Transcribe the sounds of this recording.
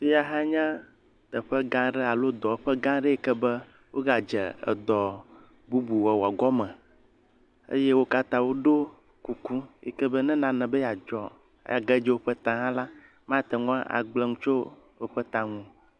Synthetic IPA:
fi˦ja˦ɦa˦ɲã˦ | t̪ɛ˨ɸɛ˦ɡã˦ɖɛ˦a˨lo˦d̪ɔ˨˦ɸɛ˦ɡã˦ɖɛ˦e˦kɛ˦bɛ˦ | wʔo̰˦ɡa˨d͡ʒɛ̰˨ə̰˨d̪ɔ˨ | bu˦bu˨wɛ˨wa˨ɡɔ˦mɛ̃˨ | ḛ˦je˦wo˦ka˦t̪ã˨wo˦ɖo˦ | ku˨ku˦ḛ˨kɛ˦bə˦nɛ̃˦nã˨nɛ̃˨bə˦ja˨d͡ʒɔ̰˨˦ | ja˨ɡɛ˦d͡ʒɛ˦wo˦ɸə˦t̪ã˨ɦã˦la˦ | mã˦t̪ɛ˨ŋɔ̃˦a˦ʔa̰˨ɡ͡blɛ˦ŋũ˦t͡ʃo˦ | o˦ɸɛ˦t̪ã˨ŋũ˨

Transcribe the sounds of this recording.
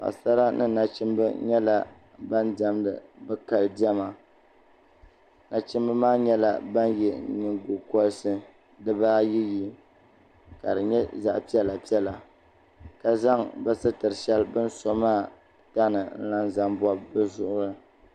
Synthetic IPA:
ka̰˨sa˦ɾa˦nʔɨ̰˦na˨t͡ʃi˦mbɨ˦ɲɛ˦la˨ | ba˦nda˨mdɨ̰˨bɨ˦ka˨ldi˦ɛ˦ma˨ | na˨t͡ʃi˦mbɨ˦maː˦ɲɛ˦la˨ba˦njɛ˨˦ɲɨ˨ŋɡu˨kɔ˦lsɨ˦ | dɨ˦baː˦ji˦ji˦ | ka̰˨dɨ˨ɲɛ˦za̰˨ʔpi˦ɛ˦la˨pi˦ɛ˦la˨ | ka˦za˦ŋbɛ˦sɨ˦tɨ˨ɾɨ˨ʃɛ˦lbɨ˦nso˦maː˦˨ | ta˦nɨ˨n̩˦la˦nza˦mbɔ˦b̚bɨ˦zʊ˦ʔʊ˦ɾɨ˦

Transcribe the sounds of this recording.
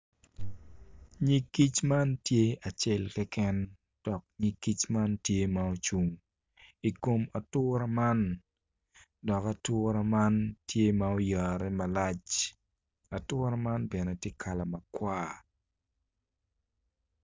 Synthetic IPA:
ɲi˦kːi˦t͡ʃma˦ntje˦a˨t͡ʃɛ˦lkɛ˦kɛ˦n | d̥ɔ˨k̚ɲi˦kːi˦t͡ʃma˦ntje˦mao˦t͡ʃu˨ŋ | i˨ko˨ma˨tʊ˦ɾa˦ma˦n | dɔ˨ka˨tʊːɾa˦ma˦ntʰje˦mao˦ja˨ɾɛ˦mɐ˨la˦t͡ʃ | a˨tʊː˦ɾa˦ma˦nbɛ˨nɛ˨tje˦kʰa˨la˨mɐkwaː˦

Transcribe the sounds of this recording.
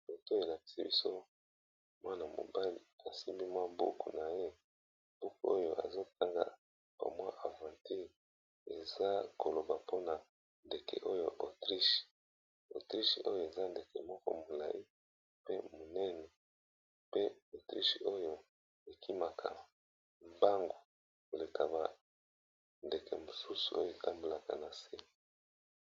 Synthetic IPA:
bo˨to˦e˨la˨k̚i̥˨sa˦bi˦so˦ | mwa˦na˨mo̰˨ba˦li˨a˨si˦mbi˦mwa˦bṵ˦kṵ˨na˨je˦ | b̥u˦ku˦o̰˦jo˦˨ʔa̰˨zo˦t̚a˦ŋɡa̰˨ | b̥a̰˨mwa˦ʔa˨vã˨ti˦ʁ | e˨za˦ko˨lo˨ba˨po˦na˨ | nde˨kḛ˨ʔo˦jo˦ʔo˨tʁi˦ʃe̥˨ | o̰˨tʁi˦ʃʔo˦jo˨e˨za˦nde˨kɛ̰˨mɔ˦kɔ̰˦mo˨la̰˨ji˦ | pe˦mo˨nɛ˦nɛ˨ | pe˦o˨tʁi˦ʃe˨o˦jo˦ | e˨kʰi˦ma˨kʰa̰˨ | mba˦ŋɡo˨ | ko˨le˨tʰa˨ba˨ | nde˨kḛ˨mo˨su˦su̥˨o̰˦jo˨ta˦mbo˨la˨ka̰˨na˨se˦˨

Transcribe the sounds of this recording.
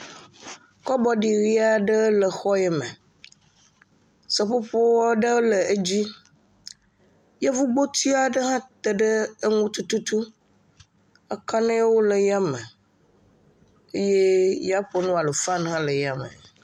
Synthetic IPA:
kɔ˦bɔ˦ɖi˨ɾi˦a˨ɖə˦lə˨xɔ˦jɛ˦me˨ | sə˨ɸo˦ɸo˦wɖə˦lə˨e˦d͡ʑi˦ | je˦vu˦ɡ͡bo˦t̪i˦a˨ɖə˦ɦã˦t̪ə˨ɖə˦ə˦ŋũ˦t̪u˦t̪u˦t̪u˦ | ə˦ka˦nẽ˦je˦wo˦lə˨ja˦mə˨ | e˦je˦ja˦ɸo˦nũ˦a˨lo˨fã˦n˦ɦã˦lə˨ja˦mḛ˨

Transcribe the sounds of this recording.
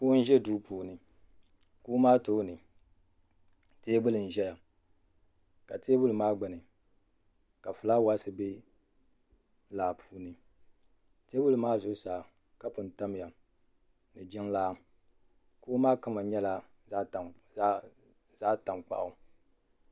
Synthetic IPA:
ku˦n̩˦ʒɛ˦du˦pʰuː˨nɨ˨ | ku˦maː˦to˦nɨ˨ | teː˦bʊ˦lɨ˨n̩˨ʒɛ˦ja˨ | ka˨teː˦bʊ˦lɨ˨maː˦ɡ͡bɨ˨nɨ˨ | ka˨fɨ˨la˦wa˦sɨ˨be˦ | laː˨pʰu̥ː˨˦nɨ˨ | te˦bʊ˦lɨ˨maː˦zʊ˨˦saː˨ | ka˦pʊ˨n˨ta˦mɪ˨ja˨ | nɨ˨d͡ʒɪ˦ŋlaː˦ | koː˦maː˦ka˦ma˨ɲɛ˦la˦˨ | za˦ta˨mk͡pa̰˨ʔʊ˨

